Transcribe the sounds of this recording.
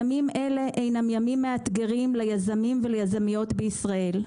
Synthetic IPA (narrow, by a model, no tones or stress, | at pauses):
mime̞le̞ʔejnamjamimːeat̪ɡe̞ʁimlajazamimvelejazamijo̞t̪beisʁae̞l